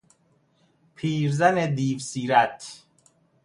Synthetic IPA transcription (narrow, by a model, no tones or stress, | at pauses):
pʰiːɾzanɛd̪iːvsiːɾat̪ʰ